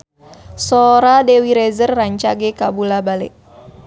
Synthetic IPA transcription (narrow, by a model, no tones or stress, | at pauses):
sɔɾadɛwiɾɛzərːaɲt͡ʃaɡɛkabulabalɛ̰ʔ